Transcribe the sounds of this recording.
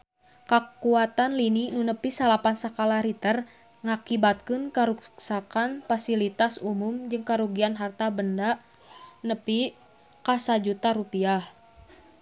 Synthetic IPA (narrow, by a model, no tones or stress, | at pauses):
kakuat̪anlininunəpisalapansakalaɾit̪ər | ŋakibat̪̚kɨnkaɾukksakanfasilit̪asumumd͡ʒɨŋkaɾuɡianɦart̪abəndaʔ | nəpi | kasad͡ʒut̪aɾupiah